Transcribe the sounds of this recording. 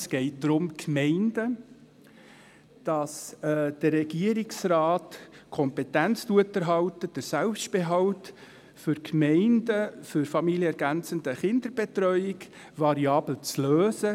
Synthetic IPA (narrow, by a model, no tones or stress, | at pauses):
sɡ̥ɛɪt̚dɾʊmkmɛɪndə | d̥ɑsɛːd̥ərːɛɡ̥iəɾɪksraːtkʰɔmpetænt͡stuətəɾɦɑwtəd̥əsɛlpstb̥eɦɑlt | fʏɾkmɛɪndəfʏɾfɑmiljəɛɾɡænt͡səndəχɪnd̥əɾb̥etrœʏɪk | vɑɾiɑːbl̩t͡sløːsə